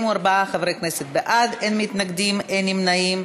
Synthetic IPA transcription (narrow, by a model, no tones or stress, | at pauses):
muaɾbaaχavɾejknɛsɛt̪̚beʔadenmit̪naɡd̪imɛnimnaim